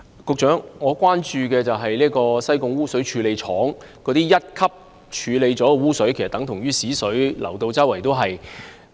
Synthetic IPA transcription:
kʊ˧k̚t͡ʃœː˨˥ŋŋɔː˨˧kʷaː˥nt͡ʃyː˧kɛː˧t͡sɐ˨wɦɐ˨jliː˥kɔː˧sɐ˥jkʊ˧ŋwuː˥sɵ˨˥ɥt͡ʃʰyː˨˧le˨˧jt͡ʃʰɔː˨˥ŋ | kɔː˧t̪iː˥jɐ˥t̚kʰɐ˥p̚ | t͡ʃʰyː˨˧le˨˧jt͡sɔː˨˥˧wuː˥sɵ˨˥ɥkʰe˨˩st̪ɐ˨˥ŋt̪ʰʊ˨˩ŋɥyː˥siː˨˥sɵ˨˥ɥlʔɐ̰˨˩wt̪o˧wt͡sɐ˥wɐ˨˩jt̪o˥wɦɐ˨j

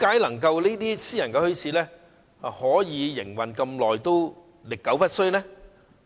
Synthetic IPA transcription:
kaː˨˥jlɐ˨˩ŋkɐ˧wliː˥t̪iː˥siː˥jɐ˨˩nkɛː˧hɵ˥ɥsʰiː˨˥lɛː˥ | ɐ˨hɔː˨˥jiː˨˧jɪ˨˩ŋwɐ˨˩nkɐ˧mlɔː˨jt̪o˥w | lɪ˨kːɐ˨˥wfɐ˥t̚sɵ˥ɥnɛː˥

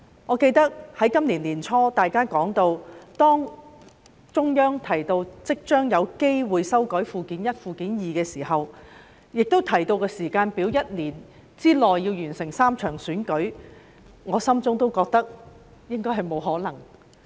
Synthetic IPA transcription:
ŋɔː˨˧ke˧jt̪ɐ˥k̚hɐ˨˥jkɐ˥mliː˨˩nliː˨˩nt͡ʃʰɔː˥t̪aː˨jkaː˥kɔː˨˥ŋt̪o˧wt̪ɔː˥ŋ | t͡ʃʊ˥ŋjœː˥ŋt̪ʰɐ˨˩jt̪o˧wt͡sɪ˥k̚t͡ʃœː˥ŋjɐ˨˧wke˥jwuː˨jsɐ˥wkɔ˨˥ɥfuː˧kiː˨˥njɐ˥t̚fuː˨˧kiː˨˥njiː˨kɛː˧siː˨˩hɐ˨w | jɪ˨k̚t̪o˥wt̪ʰɐ˨˩jt̪o˧wkɛː˧siː˨˩kaː˧npiː˨˥wjɐ˥t̚liː˨˩n | t͡siː˥lɔː˨jːiː˧wjyː˨˩nsɪ˨˩ŋsaː˥mt͡ʃʰœː˨˩ŋsyː˨˥nkɵ˨˥ɥ | ŋɔː˨˧sɐ˥mt͡sʊ˥ŋt̪o˥wkɔː˧k̚t̪ɐ˥k̚ | jɪ˥ŋkɔː˥jɦɐ˨jmo˨˧wɦɔː˨˥lɐ˨˩ŋ

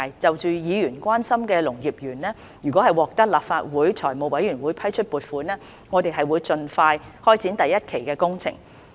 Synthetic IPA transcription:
jt͡sɐ˨wt͡ʃyː˨jiː˨˧jyː˨˩nkʷwaː˥nsɐ˥mkɛː˧lʊ˨˩ŋjiː˨˩p̚jyː˨˩nnɛː˥ | jyː˨˩kʷwɔː˨˥hɐ˨jwɔː˨k̚t̪ɐ˥k̚laː˨p̚faː˧t̚wuː˨˥jt͡sʰɔː˨˩jmo˨˧wɐ˨˥jyː˨˩nwuː˨˧jpʰɐ˥jt͡ʃʰɵ˥t̚puː˨˩t̚fuː˨˥nɛː˥ | ŋɔː˨˧t̪e˨jɦɐ˨jwuː˨˧jt͡sɵ˧nfaː˧jhɔː˥jt͡sʰiː˨˥nt̪ɐ˨jɐ˥t̚kʰe˨˩jkɛː˧kʊ˥ŋt͡sʰɪ̰˨˩ŋ

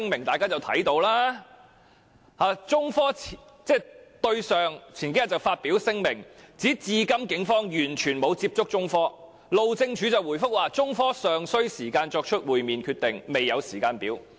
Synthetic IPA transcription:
ŋmɪ˨˩ŋt̪aː˨jkaː˥t͡sɐ˨wt̪ʰɐ̰˨˥jt̪o˧wlaː˥ | haː˨˧t͡sʊ˥ŋfɔː˥ | t͡sɛː˥˩t̪ɵ˧ɥsœː˨ŋt͡sʰiː˨˩nke˨˥jɐ˨˩t͡sɐ˨˩wfaː˧t̚piː˨˥wsɪ˥ŋmɪ˨˩ŋt͡siː˨˥t͡siː˧kɐ˥mkɪ˨˥ŋfɔː˥ŋjyː˨˩nt͡ʃʰyː˨˩nmo˨˧wt͡siː˧˥p̚t͡sʊ˥k̚t͡ʃʊ˥ŋfɔː˥ | lo˨˧wt͡sɪ˧ŋt͡ʃʰyː˨˥t͡sɐ˨wu˨˩jfʊ˥k̚waː˨˩t͡sʊ˥ŋfɔː˥sœː˨ŋsɵ˥ɥsiː˨˩kaː˧nt͡ʃɔː˧k̚t͡ʃʰɵ˥t̚wuː˨jmiː˨nkʰyː˧t̪ɪ˨ŋme˨jɐ˨˧wsiː˨˩kaː˧npiː˨˥w

